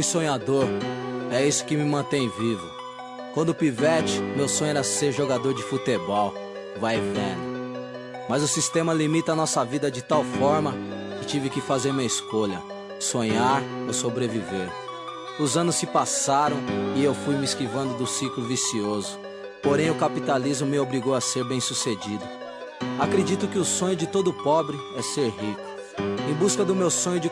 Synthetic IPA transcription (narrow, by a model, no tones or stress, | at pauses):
ʊjsõɲad̪oɾɛisʊ̥kɪmɪmɐ̃t̪ẽj̃vivʊ | kwɐ̃nd̪ʊʊpivɛt͡ʃɪ̥mewsõɲ̃ʊɛɾɐseɾʒoɡad̪oɾd͡ʒɪfut̪ebɔw | vajvẽnɐ | mɐzʊsist̪ẽmɐlimit̪ɐːnɔsɐvid̪ɐd͡ʒɪt̪awfɔɾmɐ | kɪt͡ʃivɪkɪfazeɾmĩɲɐiskoʎɐ̰ | sõɲaɾosobɾeviveɾ | ʊzɐ̃nʊsːɪpasaɾɐ̃w̃ɪewfujmɪiskivɐ̃nd̪ʊd̪ʊsiklʊvisiozʊ | poɾẽj̃ʊkapit̪alizmʊmɪobɾiɡowɐseɾbẽj̃sused͡ʒid̪ʊ | akɾed͡ʒit̪ʊkɪʊsõɲʊd͡ʒɪt̪od̪ʊpɔbɾɪɛseɾɦikʊ̥ | ẽj̃buskɐd̪ʊmewsõɲʊd͡ʒɪ